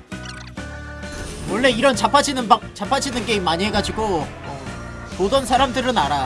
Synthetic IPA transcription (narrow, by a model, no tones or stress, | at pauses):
wʌɭːe̞iɾʌnt͡ɕapʰad͡ʑinɯbat͡ɕapʰad͡ʑinɯnkeimaɲiɦeɡad͡ʑiɡo | modʌnsʰaɾamdɯɾɯnaɾa